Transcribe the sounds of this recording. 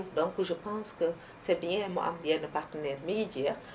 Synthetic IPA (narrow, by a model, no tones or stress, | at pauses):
dɔ̃ŋkʒəpãːskə | sɛbiɲɛ̃mo̰ʔa̰mbjɛnəpartənɛːɾmiɡid͡ʒɛ